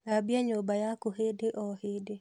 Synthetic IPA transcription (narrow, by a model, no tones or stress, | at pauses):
abjaɲobajakoɦedeʔɔhede